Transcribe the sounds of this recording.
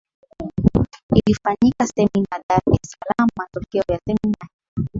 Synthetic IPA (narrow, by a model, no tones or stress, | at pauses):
ilifaɲikasɛminadaɾɛsalammatɔkɛɔjasɛminaiɔ